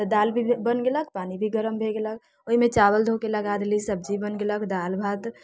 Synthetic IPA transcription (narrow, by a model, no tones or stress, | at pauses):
t̪əd̪aːlbʱibənɡeləkpaːnibʱiɡəɾəmbʱeɡelək̚ʰ | oɦimẽt͡ʃaβəld̪ʱokeləɡad̪elisəb̚d͡ʒibənɡeləkd̪albʱat̪